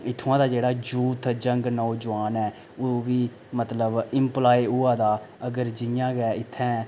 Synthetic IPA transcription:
ɪt̪ʰːãːd̪aːd͡ʒeːɽaːd͡ʒuːt̪d͡ʒəŋɡnɔːd͡ʒʊʋaːnɛː | oʋiː | mət̪ləbɪmplaːiʊãːd̪aː | əɡəɾd͡ʒɪjãːɡɛːɪt̪ʰːɛ̃ː

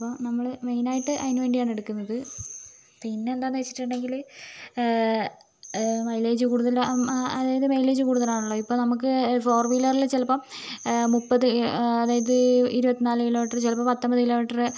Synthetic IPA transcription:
ɐpːonɐmːɐɭɨme̞jnaːjiʈːɨʔɐðinʋeːɳɖijaːɳe̞ɽukːunːɐðɨ | pinːeend̪aːnːʋet͡ɕːi̥ʈːuɳɖe̞ŋɡil | mɐjleːd͡ʑɨkuːɽuðɐlɐðaːjɐðɨmejle̞ːd͡ʑukuːɽuðɐlaːɳuɭːoːipːo̞ːnɐmukːɨfo̞ːrʋilɐrilt͡ɕilɐpːɐmmupːɐðɨɐðaːjɐðɨiɾubɐt̪ːinaːlɨkiloːmiʈːɐrt͡ɕelɐpːɐmpɐt̪ːɐmbɐðɨkiloːmiʈːɐrɨ

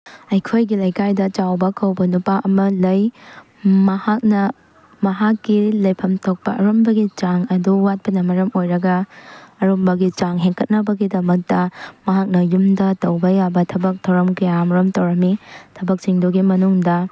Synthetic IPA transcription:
ɐjkʰojɡilɐjkajdɐt͡ʃawbɐkʰɐwbɐnupaʔɐmɐlɐj | mɐhak̚nɐ | mɐɦakːilɐjpʰɐmtʰok̚pɐɐɾombɐɡit͡ʃaŋɐduwat̚pɐnɐmɐɾɐmojɾɐɡɐːɾombɐɡit͡ʃaŋɦeŋkɐt̚nɐbɐɡidɐmɐk̚tɐmɐɦak̚nɐjumdɐtɐwbɐjabɐtʰɐbɐk̚tʰɐwɾɐmkɐjamɾɐmtɐwɾɐmitʰɐbɐk̚t͡ʃiŋdoɡimɐnuŋdɐ

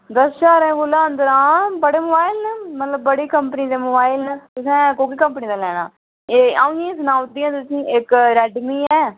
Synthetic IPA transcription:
d̪əsʃaːɾẽːɡʊlãːənd̪əɾãːbəɽeːmoːbaːɪlnəmət̪ləbːəɽiːkəmpəniːd̪eːmoːbaːɪlnət̪ʊsɛ̃ːkoːkiːkəmpənĩːd̪aːlɛːɽ̃a̰ː | eːaːʊ̃ẽːsʊnãːʊt̪̚d̪ijãːt̪ʊsĩːʔɪkɾɛːɖɪɡnĩːɛː

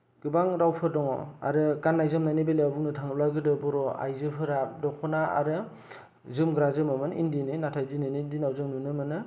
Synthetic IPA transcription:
ɡ̥ɯbaŋɾawpʰɯdɔŋɔ̰a̰ɾɯkanːajzɯmnajnibelawbuŋnɯtʰaŋɯlaɡɯdɯbɔɾɔa̰jzɯpʰɯɾadɔkʰɔnaa̰ɾɯ | zɯmɡɾazɯmɯmɯnḭndinɯnatʰajzɯnɯnindinawzɯŋnunɯmɯnɯ

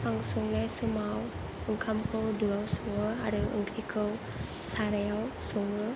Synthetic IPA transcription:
paŋsuŋləjsumaw | əŋkʰamkʰəwduawsuŋəa̰ɾəwə̰ŋkikʰəw | saɾɛawsuŋə

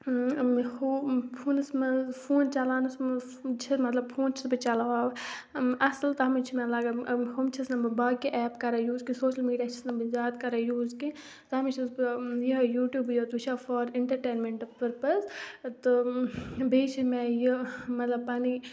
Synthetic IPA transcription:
mhopʰuːnɨsmɐpʰuːnt͡ʃɐlaːnusmɐ | t͡ʃʰimɐt̪lɐbpʰuːnt͡ʃʰi̥sbɨt͡ʃɐlaʋaːw | ɐslt̪ɐɦɐmit͡ʃʰimɛ̃laɡɐhumt͡ʃʰisnɐmbɨbaːkiʔɛːpkɐɾajuːzkĩsoːʃəlmiːɖijaːt͡ʃʰisnɐmbɨzaːt̪kɐɾajuːzki | t̪ɐɦɐmit͡ʃʰisjijuːʈjuːbjot̪ut͡ʃʰafɔːɾiɳʈɐɾʈeːnmeɳʈpɐɾpɐst̪ɨ | bʱeːt͡ʃʰimɛ̃jimɐt̪lɐbpaːni

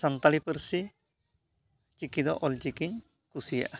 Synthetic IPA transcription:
sant̪alipəɾsi | t͡ʃikid̪ɔʔɔlt͡ʃikiɲ | kusija̰ʔ

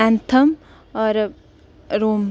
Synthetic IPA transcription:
ant̪ʰɐm | ɔɾ | ɾoːm

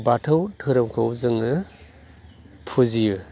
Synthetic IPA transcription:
batʰɯwtʰɯɾɐmkʰowzɯŋɯ | pʰuziju

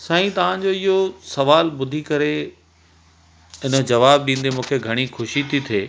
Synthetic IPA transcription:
sɐ̃ːĩt̪ɐʋ̤ãɲ̆d͡ʑoɪɦosɐʋaːlbʊd̪ʱikɐɾe | ɪnə̆d͡ʑɐʋaːbɗĩːnd̪emũːkʰeɡʱɐɽ̃ixʰʊʃit̪ʰit̪ʰeː

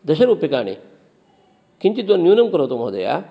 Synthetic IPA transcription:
d̪ɐʃɐɾuːpjɐkaːɳḭ | kiɲt͡ʃid̪ʋɐnnːjuːnɐmkɐɾɐːt̪umɐd̪ɐ̰ja̰

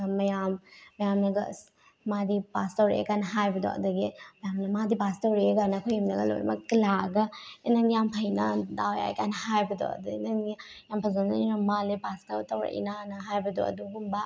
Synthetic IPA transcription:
mɐjamːɐjamnɐɡɐs | madipastɐwɾḛkanɦajbɐdo̰ɐ̰dɐɡimɐjamnɐmadipastɐwɾeeɡanɐkʰojimnɐɡɐlo̰j̰mɐkilaɡɐenɐnijampʰɐjnɐdawja̰j̰kanɦajbɐdo̰ɐ̰duinɐni | jampʰɐzɐnnaiɾɐmalepaskɐtɐwɾa̰ʔḭnanɐɦajbɐdoɐ̰duɡumbɐ

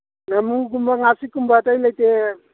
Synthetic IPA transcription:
namuɡumbaŋasikːumbat̪ajlajt̪e

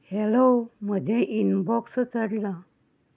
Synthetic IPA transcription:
heloməd͡ʑʱẽʔinbɔkst͡səɽla

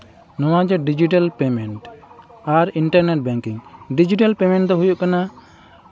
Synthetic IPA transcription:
nɔwad͡ʒɔɖid͡ʒiʈalpɛmɛɳʈaɾiɳʈaɾnɛʈ̚bɛŋkiŋɖid͡ʒiʈalpɛmɛ̃ɳʈ̚d̪ɔɦujuʔkana

